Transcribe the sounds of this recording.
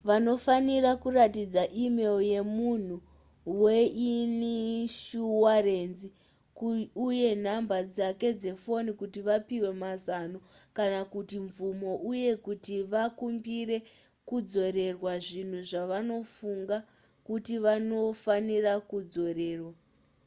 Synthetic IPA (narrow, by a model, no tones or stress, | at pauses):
ʋano̞fanirakuratid͡zaʔime̞lje̞mun̤u | weiniʃuwarenzi | kuje̞n̤ambad͡zake̞d͡ze̞fo̞nikutiʋapiwe̞mazano̞kanakutiɱvumo̞ʔuje̞kutiʋakumbire̞ | kud͡zo̞ɾe̞rwaʐin̤uʐaʋano̞fuŋɡa | kutiʋano̞fanirakud͡zo̞re̞ːrwa